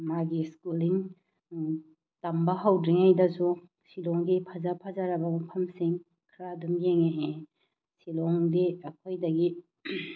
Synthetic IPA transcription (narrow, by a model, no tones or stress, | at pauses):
maɡiskuliŋ | tambɐɦawdɾiŋajdɐsu | silɔŋdipʰazapʰazaɾɐbɐmɐpʰɐmsiŋ | kʰɾadumjeŋeʔe | silɔŋdiɐkʰojdɐɡi